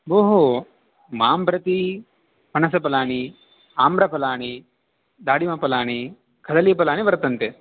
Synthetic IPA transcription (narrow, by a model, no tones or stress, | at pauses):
boːɦo | maːmbɾɐt̪i | pɐnɐsɐpɐlaːɳ̃i | aːmbɾɐpɐlaːɳ̃i | d̪aːɽimɐpɐlaːɳ̃i | kʰɐd̪ɐlijɐpɐlaːɳ̃iʋɐɾt̪ɐnt̪e